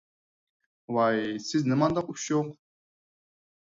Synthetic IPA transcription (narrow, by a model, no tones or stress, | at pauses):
wajsiznɨmand̪aqʼupʃoq